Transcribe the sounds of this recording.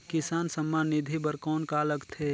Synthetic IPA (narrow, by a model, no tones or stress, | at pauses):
kɪsaːnsəmːaːnːɪd̪ʱibəɾkɔːnkaːləkt̪ʰeː